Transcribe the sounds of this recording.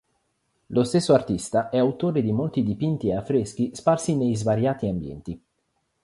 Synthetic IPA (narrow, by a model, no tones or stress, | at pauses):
lost̪esːoart̪ist̪aʔɛawt̪oːɾed̪imolt̪id̪ipint̪ieafːɾesk̟isparsinejzvaɾjaːt̪iambjɛ̰nt̪i